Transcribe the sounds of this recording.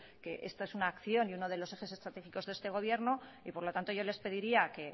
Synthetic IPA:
ke̞ʔe̞̰st̪aesunaːkθjo̞niuno̞ðe̞lo̞se̞xe̞s̬e̞st̪ɾat̪e̞xiko̞zðe̞st̪e̞ɣo̞β̞je̞ɾno | ipo̞ɾlo̞t̪ant̪o̞ʝo̞le̞spe̞ð̞iɾiake̞

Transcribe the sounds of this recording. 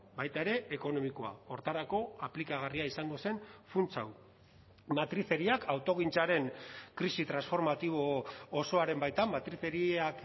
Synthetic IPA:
bajt̪ae̞ɾe̞eko̞no̞miko̞a̰o̞ɾt̪aɾako̞aplikaɣ̞ariaisaŋɡo̞se̞nfunt͡sa̰w | mat̪ɾiθe̞ɾiakawt̪o̞ɣint͡saɾe̞ŋkɾisit̪ɾansfo̞ɾmat̪iβ̞o̞ːso̞aɾe̞mbajt̪ammːat̪ɾiθe̞ɾiak

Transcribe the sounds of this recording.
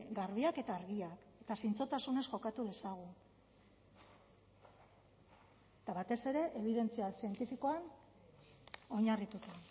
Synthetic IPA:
ɡaɾβiake̞t̪aːɾɣiake̞t̪asint͡so̞t̪asune̞sʝo̞kat̪uð̞e̞saɣ̞u | et̪aβat̪e̞se̞ɾe̞ʔeβ̞iðe̞nt͡sialsie̞nt̪ifiko̞an | o̞ɲarit̪ut̪a

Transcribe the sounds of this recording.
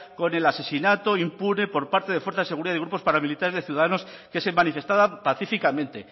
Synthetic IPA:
ko̞ne̞lase̞sinat̪o̞impune̞po̞ɾpaɾt̪e̞ðefweɾθaðeseuɾiðaðeɣɾup̬ospaɾamilit̪aɾezðeθjiuðaðano̞s | kesemanife̞st̪aðapaθifikamẽ̞nt̪e̞

